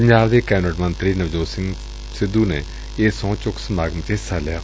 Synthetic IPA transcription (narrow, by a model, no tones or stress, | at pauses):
pəɲd͡ʒaːbd̪eːkɛːnəʈmənt̪ɾiːnəʋd͡ʒoːsɪŋɡ | sɪd̪uːneː | eːsõːt͡ʃʊksəmaːɡəmt̪eːsaːlɪjaː